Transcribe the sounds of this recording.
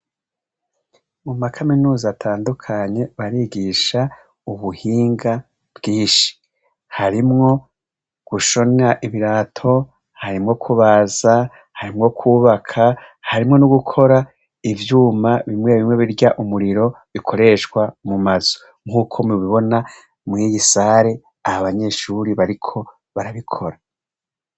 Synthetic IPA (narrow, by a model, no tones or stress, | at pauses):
mumakʰaminuːzatʰaːndukʰaɲe̞βaɾiɡiʃa | uβuhiːŋɡa | b̥ɡiːnʃi̥ | haɾimŋo̞ | ɡ̥uʃo̞naʔiβiɾatʰo̞ | haɾimŋo̞kʰuβaza | haɾimŋo̞kʰuːβakʰahaɾimŋo̞nuɡukʰo̞ɾa | ivjuːmaβimŋe̞βimŋe̞βiɾɟaʔumuɾiɾo̞βikʰo̞ɾe̞ːʃkwamumaz̥o̥ | ŋ̥huːkʰo̞miβiβo̞na | mŋijisaɾe̞ | ahaβaɲe̞ʃuːɾiβaɾikʰo̞ | βaɾaβikʰo̞ɾa